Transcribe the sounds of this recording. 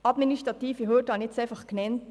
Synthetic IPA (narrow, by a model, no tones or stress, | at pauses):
ɑd̪ministʁɑt̪iːfəɦøːdɑːnɪtsɛɪfɑχknɛnt